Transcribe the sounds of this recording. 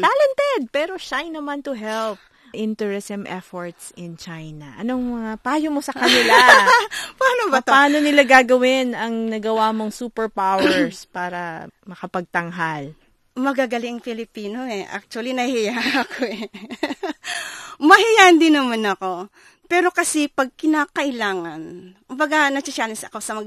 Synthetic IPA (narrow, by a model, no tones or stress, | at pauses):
t̪aːlɛnt̪ɛd̪̚pɛːɾo̞ʃajnɐmant̪ʊɦɛlp̚ | ʔɪnt̪ɛɹɪsɛmʔɛfoɹt̪sɪnt͡ʃajnɐʔɐnoŋmɐŋapaːjomo̞sɐkɐnɪla | paːnobɐpaaːno̞nɪlaɡaːɡɐwɪnɐŋnɐɡɐwamo̞ŋsuːpɛɹpawɛɹspaːɾɐmɐkɐpɐɡ̚t̪ɐŋɦal | mɐɡaːɡɐlɪŋfɪlɪpiːnoʔɛʔa̰k̚t͡ʃwɐlinɐhɪjaʔɐkoɛ | mɐhɪjaʔɐnd̪ɪnɐmanɐko̞ | pɛːɾo̞kɐsɛpɐɡ̚kɪnaːkɐʔɪlaːŋɐnkʊmbɐɡanɐt͡ʃɪʃaːnɪsɐko̞sɐmɐɡ